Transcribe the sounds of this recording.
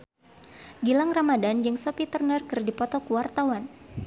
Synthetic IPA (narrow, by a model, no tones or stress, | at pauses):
ɡilaŋramadand͡ʒɨŋsopit̪ərnərkɨrdipɔt̪ɔkuwart̪awan